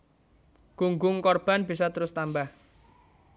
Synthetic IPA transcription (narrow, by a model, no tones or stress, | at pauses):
ɡ̥uŋɡʊŋkɔrb̥a̤nb̥i̤sɔt̪əɾʊst̪ambah